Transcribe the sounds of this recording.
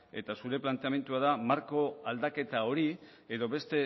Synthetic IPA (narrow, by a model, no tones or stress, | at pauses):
e̞̰t̪asuɾe̞plant̪e̞ame̞nt̪uaðamaɾko̞ald̪ake̞t̪ao̞ɾi | eðo̞βe̞st̪e̞